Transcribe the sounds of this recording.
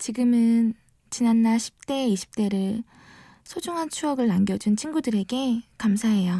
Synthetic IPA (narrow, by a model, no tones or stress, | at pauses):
t͡ɕiɡɯmɯn | t͡ɕinanːaɭɕʰi̥p̚t͈e̞iɕʰi̥p̚t͈e̞ɾɯɭ | sʰod͡ʑuŋɦant͡ɕʰuʌɡɯɭnaŋɡjʌd͡ʑunt͡ɕʰiŋɡudɯɾe̞ɡe̞kamsʰaɦe̞jo